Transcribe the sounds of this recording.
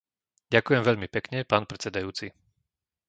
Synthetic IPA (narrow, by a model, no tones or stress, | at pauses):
ɟakʊjɛmʋɛʎmipɛkɲɛpaːnpɾɛt͡sɛd̪ajuːt͡si